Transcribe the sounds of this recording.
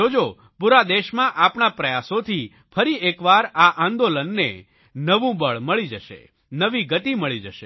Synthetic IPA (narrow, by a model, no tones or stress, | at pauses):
od͡ʒo | puɾad̪eʃmãʔapɳapɾəjasõt̪ʰi | fʰəɾiekʋaɾaʔãnd̪olənːḛ | nəʋũbəɭməɭid͡ʒəʃḛ | nəʋiɡət̪iməɭid͡ʒəʃe